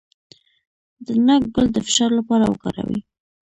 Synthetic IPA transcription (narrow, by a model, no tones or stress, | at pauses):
d̪ənak̚ɡəld̪əfɪ̥ʃɑɾlapɑɾawə̰kɑ̰ɾa̰wḭ